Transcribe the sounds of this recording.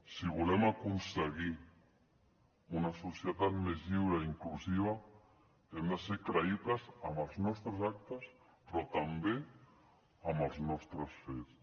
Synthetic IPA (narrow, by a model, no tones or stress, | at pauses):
siβulɛmakunsəɣi | unasusjət̪at̪mezʎiwɾaiŋklusiβ̞a | emd̪əseɾkɾaitazamalˠznɔst̪ɾəzak̚t̪əs | pɾɔt̪ambe | amalznɔst̪ɾəsfes